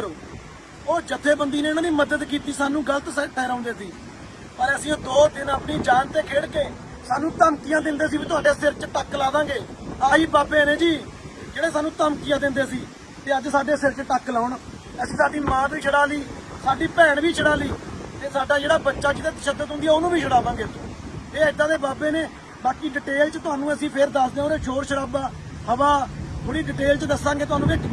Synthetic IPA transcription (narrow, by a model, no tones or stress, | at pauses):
ɾoː | oːd͡ʒət̪ʰːeːbənd̪iːneːnãːniːməd̪əd̪kiːt̪iːsaːnũːɡələt̪sʈʰɛːɾaːʊ̃nd̪eːsiː | pəɾəsĩːoːd̪oːd̪ɪnəpɳiːd͡ʒaːnt̪eːkʰeːɽkeː | saːnːũːt̪əmkɪjãːd̪ɪnd̪eːs̬iːbiːt̪ʊaːɖeːsɪɾt͡ʃʈəkːlaːd̪ãːɡeːaːɦiːbaːpeːnẽːd͡ʒiːd͡ʒeːɽeːsaːnːũːt̪əmkɪjãːd̪ɪnd̪eːsiː | t̪eːəd͡ʒsaːɖeːsɪɾt͡ʃʈəkːlaːʊɳ | əsĩːsaːɖiːmãːbiːt͡ʃʰəɽaːliːsaːɖiːpɛ̃ːɳbiːt͡ʃʰəɽaːliːt̪eːsaːɖaːd͡ʒeːɽaːbətːʃaːd͡ʒit̪eːt̪əʃəd̪ət̪ɦʊ̃nd̪ijaːʊnũːbiːt͡ʃʰəɽaːʋãːŋɡeːeːɪd̪ãːd̪eːbaːbeːneː | baːkiːɖɪʈeːlt͡ʃət̪ʊaːnũːəsĩːpʰɪɾd̪əsd̪eːoːɾeːd͡ʒoːɾʃəɽaːbaː | həʋaːɦoːɽiːɖɪʈeːlt͡ʃd̪əsãːŋɡeːt̪ʊaːnũːbiː